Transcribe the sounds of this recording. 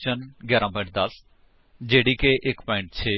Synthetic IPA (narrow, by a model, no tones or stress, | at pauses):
t͡ʃənɡjɛːɾãːpɔ̃ɪ̃ɳʈ̚d̪əs | d͡ʒeːɽiːkeːʔɪkpãːɪ̃ɳʈt͡ʃʰeː